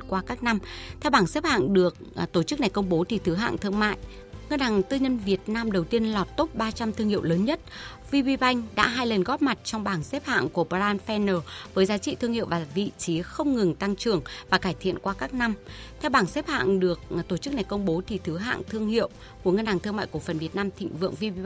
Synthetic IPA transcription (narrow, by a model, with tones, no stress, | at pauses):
kwaː˧kaː˦˥k̚na˧mt̪ʰɛ˧wɓaː˧˩ŋsɛ˦˥p̚ha̰ː˧˨ŋɗɨ˨˩ək̚t̪o˧˩t͡ɕɨ˦˥k̚na˨˩jkə˧wŋ͡mɓo˨˦t̪ʰi˨˩t̪ʰɨ˨˦ɦa̰ː˧˨ŋt̪ʰɨ˧əŋma̰ː˧˨j | ŋə˧nhaː˨˩ŋt̪ɨ˧ɲə˧nvi˨˩ət̚naː˧mɗə˨˩wt̪i˧ənlɔ˨˩t̚t̪o˦˥p̚ɓaː˧t͡ɕa˧mt̪ʰɨ˧əŋhḭ˧˨əwləː˨˦nɲə˦˥t̚ | vi˧ɓi˧ɓa˧jŋ̟ɗa̰ː˧˥ɦaː˧jlə˨˩nɣɔ˦˥p̚ma˨˩t̚t͡ɕɔ˧wŋ͡mɓaː˧˩ŋsɛ˦˥p̚ha̰ː˧˨ŋku˧˩əpa˧zaː˧nfɛ˧nəː˨˩vəː˨˦jzaː˨˦t͡ɕḭ˧˨t̪ʰɨ˧əŋhḭ˧˨ə˨wvaː˨˩vḭ˧˨t͡ɕi˨˦xə˧wŋ͡mŋɨ˨˩ŋt̪a˧ŋt͡ɕɨ˨˩əŋvaː˨˩kaː˧˩jt̪ʰḭ˧˨ənkwaː˧kaː˦˥k̚na˧mt̪ʰɛ˧wɓaː˧˩ŋsɛ˦˥p̚ha̰ː˧˨ŋɗɨ˨˩ək̚t̪o˧˩t͡ɕɨ˦˥k̚na˨˩jkə˧wŋ͡mɓo˨˦t̪ʰi˨˩t̪ʰɨ˨˦ɦa̰ː˧˨ŋt̪ʰɨ˧əŋhḭ˧˨əw | ku˧˩əŋə˧nhaː˨˩ŋt̪ʰɨ˧əŋma̰ː˧˨ku˧˩fə˨˩nvi˨˩ət̚naː˧mt̪ʰḭ˧˨ŋ̟vɨ̰˧˨əŋvi˧i˧